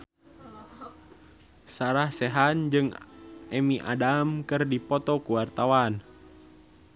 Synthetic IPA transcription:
saɾahsɛɦand͡ʒɨŋɛmiʔa̰damkɨrdipɔt̪ɔkuwart̪awan

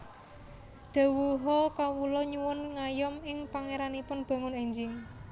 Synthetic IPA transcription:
d̪̥a̤wuɦɔkawulɔɲuwʊnŋajɔmɪŋpaŋeɾanipʊnb̥ä̤ŋʊnɛɲd͡ʒɪŋ

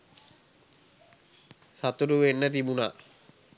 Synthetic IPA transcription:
sat̪uɾuʋenːət̪̬ibuna

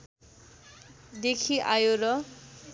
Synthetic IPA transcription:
d̪ekʰiʔajoɾʌ

